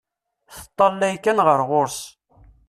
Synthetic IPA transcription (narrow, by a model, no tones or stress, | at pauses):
θət̪ˤːɑlːæjkænʁəɾʁoɾs